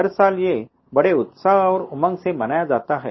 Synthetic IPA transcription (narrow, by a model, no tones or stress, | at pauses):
əɾsalje | bəɽeut̪saɦaʋəɾumãŋsemənajad͡zat̪aɦɛ̰